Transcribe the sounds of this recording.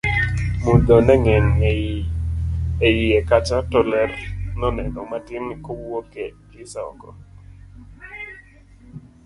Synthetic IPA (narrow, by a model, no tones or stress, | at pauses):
mud̪onɛŋɛn | ejiɛkat͡ʃatɔlɛrnɔnɛnɔmatɪnkɔwokɛkɪsaɔ̰kɔ̰